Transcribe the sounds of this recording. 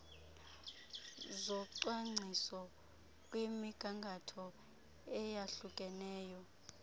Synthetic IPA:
zɔǃwaŋ͡ǀʱisɔ | kʼwimiɡ̥ʱaŋɡʱatʰɔ | ɛjaɬukʼɛnɛːjɔ

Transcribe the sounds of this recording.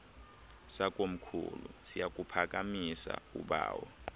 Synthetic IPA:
sakʼom̩kʰṵlṵsijak̬ʼupʰak̬ʼamisa̰uɓa̰ːwɔ

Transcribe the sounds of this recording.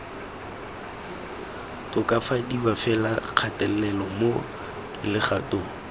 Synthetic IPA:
tʊkʼafadiwafɛlaq͡χʰatʼɛl̩lɛlɔmo | lɪχatʼʊː

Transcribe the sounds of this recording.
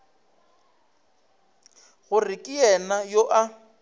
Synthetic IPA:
ɣʊrɪkʼɪjɛnajoʔa

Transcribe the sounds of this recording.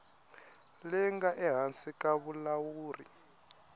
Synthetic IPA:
lɛŋɡaʔɛɦansikʼaβulawuːrḭ

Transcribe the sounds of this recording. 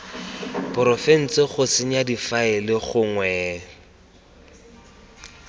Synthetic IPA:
pʊɾɔfɛn̩t͡sɪχʊsɪɲadifaɪlɪχʊŋwɛː

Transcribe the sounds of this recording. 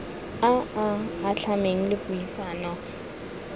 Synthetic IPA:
aaːɬʰameŋ̩lɪkʼujisaːnɔ

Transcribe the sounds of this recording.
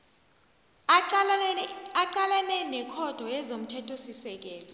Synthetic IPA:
aǃalɛlɛnɛkʰɔd̥ʱɔjɛzom̩tʰɛtʼʰosisɛk̬ɛːlɔ

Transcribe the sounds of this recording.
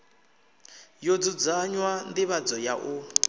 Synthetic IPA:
jod͡zud͡zaɲwandiβad͡zɔjaʔu

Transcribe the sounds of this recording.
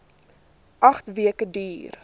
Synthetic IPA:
ʔɐχtviəkədyːr

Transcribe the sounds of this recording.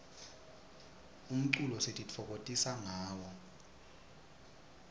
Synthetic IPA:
um̩ǀulɔsetʼit͡fʰɔkʼotʼisaŋaːwɔ

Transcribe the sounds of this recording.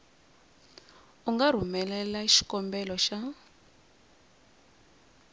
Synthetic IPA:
uŋɡar̤umɛlɛlaiʃi̥kɔmbɛlɔʃa

